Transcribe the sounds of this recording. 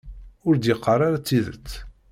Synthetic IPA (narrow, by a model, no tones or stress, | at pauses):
ʊɾd̪jəqːɑrˤaɾat͡sːiðə̰t͡sː